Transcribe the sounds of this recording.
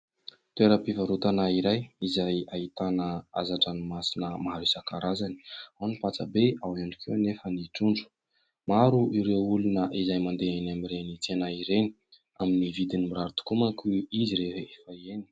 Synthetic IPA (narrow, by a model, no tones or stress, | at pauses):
t̪ueɾəpivaɾut̪anaiɾajizajait̪anəa̰zaʈ͡ʂanimasinəmaɾisakaɾazani̥awnipat͡səbeawaɳɖ͡ʐikʰewnefəniʈ͡ʂuɳɖ͡ʐu̥ | maɾuʔiɾeulunəʔizajmand̪eanamiɾenit͡senaiɾeni̥ | aminivid̪inimiɾaɾut̪u̥kumakuiziɾefefaeni̥